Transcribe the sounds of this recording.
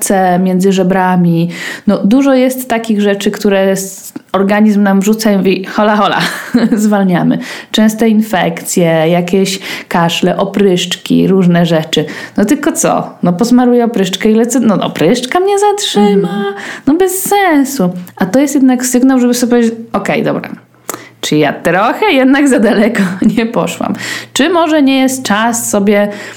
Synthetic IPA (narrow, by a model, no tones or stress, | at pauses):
t̪sɛmʲjɛnd̪zɘʐɛbɾamʲinɔd̪uʐɔjɛst̪ːakʲiɣʐɛt͡ʂɘkt̪uɾɛs | ɔɾɡaɲizmnamʐut̪samuvʲixɔlaxɔla̰zvalɲamɘ̰t͡ʂɛ̃st̪ɛinfɛkt̪sʲjɛjakʲɛɕkaʂlɛʔɔpɾɘʂt͡ʂkʲḭɾuʐnɛʐɛt͡ʂɘnɔt̪ɘlkɔt̪sɔ̰nɔpɔsmaɾujɛɔpɾɘʂt͡ʂkɛilɛt̪sɔnɔɔ̰pɾɘʂt͡ʂkamɲɛzatʂɘmanɔbɛsːɛw̃suʔat̪ɔjɛst̪jɛd̪naksɘɡnawʐɛbɘsɔbʲjpɔved͡ʑɔkɛjd̪ɔbɾa̰ | t͡ʂɨja̰t̪ɾɔxɛjɛd̪naɡzad̪alɛkɔɲɛpɔ̰ʂwa̰mt͡ʂɘmɔʐɛɲɛjɛst̪̚t͡ʂassɔbʲjɛ